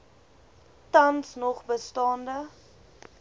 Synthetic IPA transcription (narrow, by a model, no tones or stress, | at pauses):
tɐnsnɔχbəstɑːndə